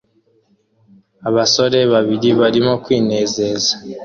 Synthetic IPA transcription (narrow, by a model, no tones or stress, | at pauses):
aβaso̞ɾe̞βaβiɾiβaɾimo̞kwiːne̞ːze̞za